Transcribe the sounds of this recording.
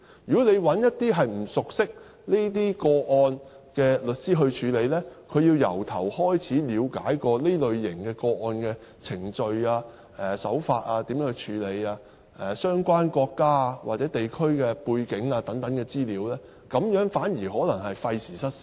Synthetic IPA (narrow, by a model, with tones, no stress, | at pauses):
jyː˨˩kɔ˨˥le˨˧jwɐ˨˥njɐ˥t̚t̪iː˥ɦɐ˨jm̩˨˩sʊ˨k̚sɪ˥k̚ | neː˥t̪̬iː˥kɔː˧ʔɔː˧n | kɛː˧lɵ˨t̚siː˥ɦɵ˧ɥt͡ʃʰyː˨˧le˨˧jlɛː˥kʰɵ˨˧ɥjiː˧wjɐ̰˨˩wt̪ʰɐ˨˩whɔː˥jt͡sʰiː˨˥liː˨˧wka̰ː˨˥jkɔː˧le˥lɵ˨ɥjɪ˨˩ŋkɛː˧kɔː˧ʔɔː˧nkɛː˧ | t͡sʰɪ˨˩ŋt͡sɵ˧ɥaː˧ | ɛː˨˩sɐ̰˨˥wfaː˧t̚aː˧t̪i˨˥mjœː˨˧˥ŋ˧t͡ʃʰyː˨˧˥le˨˧jaː˧ | ʔɛ˨sœː˥ŋkʷaː˥nkʷɔː˧kːaː˥a˧wa̰˨t̚t͡sɛː˨˥t̪e˨jkʰɵ˥ɥkɛː˧puː˧jkɪ˨˥ŋaː˧t̪ɐ˨˥ŋt̪ɐ˨˥ŋkɛ˧t͡siː˥liː˨˧wlɛː˥ | kɐ˨˧˥mjœː˨˥ŋfaː˨˥njiː˨˩ɦɔː˨˥lɐ˨˩ŋɦɐ˨jfɐ˧jsiː˨˩sɐ˥t̚